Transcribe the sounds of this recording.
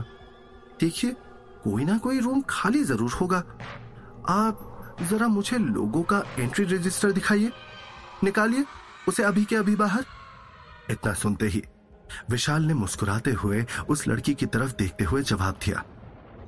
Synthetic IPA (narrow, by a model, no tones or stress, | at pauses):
d̪̥eːkʰie | koːinakoːiɾuːmkʰaːlizɐɾuːɾhoːɡaː | aːp̚zɐɾamʊd͡ʒʱelo̰ːɡõkaẽːɳʈɾiɾɪd͡ʒɪsʈəɾd̪ɪkʰaːienɪkaːlie | ʊseɐbʱikeɐbʱibaːɦəɾ | ɪt̪nasʊnt̪eɦḭː | ʋɪʃaːlnemʊskʊɾaːt̪eɦʊeʊslʔɐ̰ɽkikit̪ɐɾəfd̪eːk̚ʰt̪eɦʊed͡ʒɐʋa̰ːb̚d̪ija̰ː